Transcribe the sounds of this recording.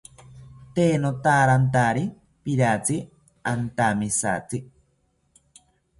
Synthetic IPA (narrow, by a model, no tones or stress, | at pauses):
t̪eːnot̪aːɾant̪aɾi | piɾat͡si | ant̪amisa̰t͡si